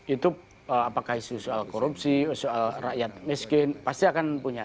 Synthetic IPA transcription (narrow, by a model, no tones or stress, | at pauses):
it̪u | əapakaisusualkoɾupsisualrajat̪̚miskɪnpast̪iakanpuɲa